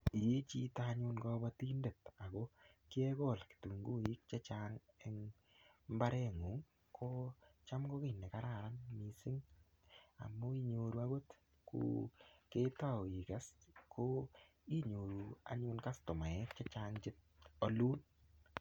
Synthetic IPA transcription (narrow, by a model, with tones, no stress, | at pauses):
i˨je˦t͡ʃi˦taɲʊ˦nkɔ˦ba˦ti˦nde˨ta˨ko˦ | kɪ˦ɛ˦kɔ˦˨lki̥˨tu˨ŋɡu˦i˦k̚t͡ʃa˦t͡ʃa˦ŋ | ɛŋ | mba˦ɾɛ˦ŋu˨˦ŋ | kʰo˦t͡ʃa˦mɡo˦kɪ˦˨nːe˨ka˦ɾa˨ɾa˦nmi˨sɪ˦ŋ | a̰˨mːo˦i˦ɲo˨ɾu˨˦a˦ɡo˦t | kṵke˦ta˦˨i˨ka˦skʰo˦ | i˦ɲo˨ɾu˨a̰˦ɲʊ˦nka˦stʊ˨ma˨ɛ˦kt͡ʃa˦t͡ʃaŋt͡ʃɪ˦t̚o˦lu˦n